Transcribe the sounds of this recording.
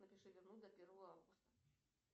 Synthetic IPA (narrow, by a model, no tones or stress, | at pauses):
nɐpʲɪʂɨvʲɪrnud̪ɐpʲeɾvəvəavɡʊst̪ɐ